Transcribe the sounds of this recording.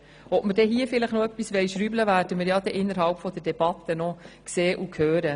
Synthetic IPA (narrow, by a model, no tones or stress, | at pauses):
ɔtməɾdɛɦiːəfɪləχnɔœpːisʋɛɪjʃɾyːbləvæːɾd̥əməɾjɑd̥̪ɛʔɪnːəɾɦɑlpfɔd̪̥əɾdɛb̥ɑt̪ːənɔkseːʔukʰhøːɾə